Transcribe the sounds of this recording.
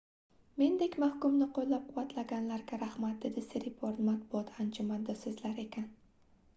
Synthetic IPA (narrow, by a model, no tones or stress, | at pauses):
me̞nd̪ekʲmahkʊmnɪqʰolˠːap̚qʰʊvat̪ʰlaɡʲanlaɾɡʲaɾahmat̪̚d̪e̞d̪ɪseɾɪpʰoɾt̪mat̪̚bʊɒt̪ʰand͡ʒʊmand̪ɒsozlaɾe̞kʲan